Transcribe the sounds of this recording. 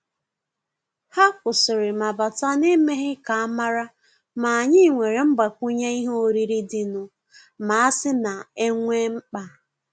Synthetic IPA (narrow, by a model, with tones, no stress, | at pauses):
ha˦kʷʊ˨sɪ˨ɾɪ˨ma˨ba˨ta˦ne˦me˦ɦɪ˦ka˨a˦ma˦ɾa˦ | ma˨a˨ɲɪ˦˨ŋʷe˨ɾe˨m̩˦ba˨kʷu˦ɲa˦i˦ɦo˦o˨ɾi˦ɾi˦dɪ˨nʊ˦ | ma˨a˦sɪ˦na˨e˦ŋʷe˦ŋ͡m̩˦k͡pa˨